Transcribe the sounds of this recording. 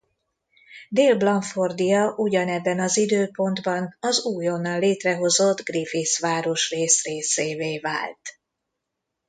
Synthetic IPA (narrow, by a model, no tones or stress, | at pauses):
d̪eːlblɒɱford̪ijɒʔuɟɒnɛbːɛnɒzid̪øːpo̞nd̪bɒnɒzuːjo̞nːɒnleːt̪rɛɦo̞zo̞d̪ɡrifiːsʋaːɾo̞ʃreːsreːseːveːva̰ːlt̪